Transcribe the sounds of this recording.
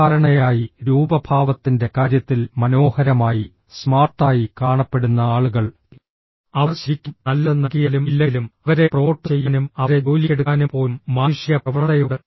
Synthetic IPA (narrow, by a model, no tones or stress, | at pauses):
aːɾɐɳɐjaːjiɾuːbɐbʱaːʋɐt̪ːinde̞kaːɾjɐt̪ːilmɐno̞ːhɐɾɐmaːji | smaːrt̪aːjikaːɳɐpːe̞ɽunːɐaːɭuɣɐɭ | ɐʋɐrɕɐɾikʲːunɐlːɐnːɐɣijɐlumilːɐlumɐʋɐɾe̞pro̞ːʈːɨt͡ɕe̞jːɐnumɐɾe̞oːlieɽukːaːnupo̞ːmːaːnuʂjɐprɐʋɐrtɐjuɽe